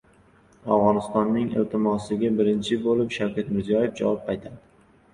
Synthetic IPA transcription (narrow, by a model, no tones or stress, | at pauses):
avʁɒnɪst̪ɒnːɪŋɪ̰lt̪ʰɪmɒsɪɡʲabɪɾɪnt͡ʃʰɪbolɪpʃawkʲʰat̪mɪɾzijɒjefd͡ʒa̰wɒp̚pajt̪ʰad̪ɪ